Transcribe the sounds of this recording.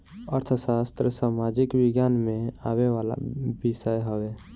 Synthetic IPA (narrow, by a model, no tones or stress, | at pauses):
əɾt̪ʰəsast̪ɾəsaːmad͡ʒikbɪɡjaːnmẽa̰ːwewala̰bisəjɦowe